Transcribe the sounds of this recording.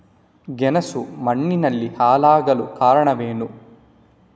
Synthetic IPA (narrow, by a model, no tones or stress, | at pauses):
ɡɛnɐsumɐɳːinɐlːihaːlaːɡɐlukaːɾɐɳɐʋeːnu